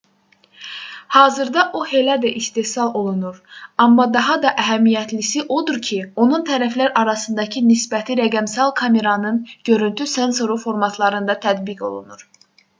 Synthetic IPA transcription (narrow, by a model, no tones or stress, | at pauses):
hɑːzɯɾd̪ɑʔohe̞læd̪æʔist̪e̞hsɑlˠo̞lˠunuɾɑmːɑd̪ɑɦɑd̪ɑʔæɦæmijæt̪ʰlisiʔo̞d̪uɾcʰio̞nunt̪ʰæɾæflæɾʔɑɾɑsɯnd̪ɑcʰinisbæt̪ʰiɾæɡæmsɑlˠkʰɑme̞ɾɑnɯnɟø̞ɾynt̪ʰyse̞nso̞ɾufo̞ɾmɑt̪ʰlˠɑɾɯnd̪ɑt̪ʰæd̪biɡo̞̰lˠṵnuɾ